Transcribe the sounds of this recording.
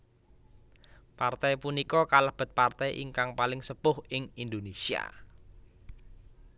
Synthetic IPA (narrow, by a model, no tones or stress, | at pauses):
part̪ɛjpunikɔkalahb̥ə̤t̪̚part̪ɛjʔḭŋkaŋpalɪŋsəpʊhɪŋind̪onesia̰